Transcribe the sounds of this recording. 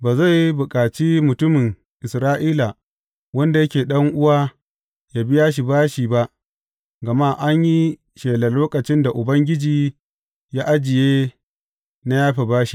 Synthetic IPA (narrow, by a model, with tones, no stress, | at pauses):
baː˨za˦˨jbʊ˨kʼaː˨t͡ʃiː˦mʊ˨tʊ˦mɪ˨ŋ | ʔɪ˨sɾaː˦ʔiː˦la˨ | wɐ˦nda˨jɐ˦kʲeː˨ɗɐ˦ŋʔʊ˦waː˦ | ja˦bɪ˦jaː˦ʃ̬i˨baː˦ʃiː˨ba˦ʔ | ɡɐ˨ma˦˨ʔa˦ɲji˦ | ʃeː˨lɐ˨loː˦kʼɐ˨t͡ʃɪ˦nda˨ʔʊ˨bɐ˦ŋɡʲɪ˦d͡ʒiː˨ | jaː˦ʔa˦d͡ʒɪ˨jeː˦ | na˦jaː˦ɸe˨baː˦ʃi˨